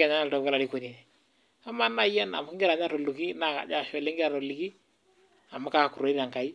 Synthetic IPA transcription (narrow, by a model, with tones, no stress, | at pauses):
ɛ˨ɲa˦na˦ltɔ˨ka˦la˨ɾi˦ko˨ni˨nɛ˨ | a˨˦ma˦na˦jɛ˦na̰˨m˨kɪ˦ŋɡɪ˦ɾa˨ɲa˦ɾo˨lu˨ki˦na˦˨ka̰˨d͡ʒa˦˨ʃɔ˦˨le˦ŋɡɪ˦ɾa˨ɾo˨li˨ki˦ | a˨ma˦ka˨ku˨ɾo˨˦i˦a˨ŋka˨i˦